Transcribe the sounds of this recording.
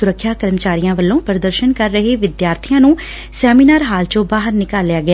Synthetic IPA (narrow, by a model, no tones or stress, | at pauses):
ʊɾəkʰːjaːkəɾmət͡ʃaːɾijãːʋəlːõːpɾəd̪əɾʃənkəɾːəɦeːʋɪd̪jaːɾt̪ʰijãːnũː | sɛːmiːnaːɾɦaːlt͡ʃõːbaːɦəɾnɪkaːlːɪjaːɡɪjaː